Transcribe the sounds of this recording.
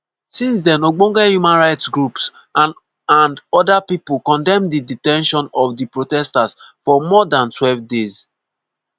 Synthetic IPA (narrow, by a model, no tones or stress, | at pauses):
sĩns̬dɛ̃noɡ͡bõŋɡɛhjumãnɹaɪtsɡɹups | ãn | ãndɔdapipukɔ̃ndɛ̃mdiditɛ̃nʃɔ̃nɔfdipɹotɛstasfɔmɔdãntwɛlvdez